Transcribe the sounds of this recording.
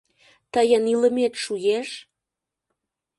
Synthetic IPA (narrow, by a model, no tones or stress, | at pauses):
t̪əjəniləmet̪ʃujeʃ